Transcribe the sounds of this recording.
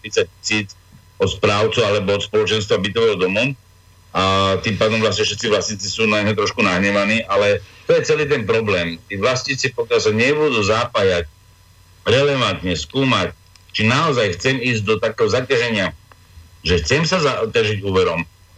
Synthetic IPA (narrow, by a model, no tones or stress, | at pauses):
ɾit͡sac̚cisiːt͡s | ɔt̪spɾaːʊt͡sualɛbɔɔt̪spɔlɔt͡ʃɛns̬t̪ʋabit̪ɔʋɛːɦɔd̪ɔmu | ʔat̪impaːd̪ɔmʋlasɲɛfʃɛt̪t͡siʋlasɲiːt͡sisuːnaɲɦɔt̪ɾɔʃkunaɦɲɛʋaniːʔalɛt̪ɔjɛt͡sɛliːt̪̬ɛnpɾɔblɛːmt̪iːʋlasɲiːt͡sipɔkɪalsaɲɪɛbud̪uːzaːpajac | ɾɛlɛʋant̪ɲɛskuːmac̚ | t͡ʃinaɔzajxt͡sɛmiːzɟ̚d̪ɔt̪akɛːɦɔzacaʒɛɲɪa | ʒɛxt͡sɛmsazacaʒiɟuːʋɛɾɔm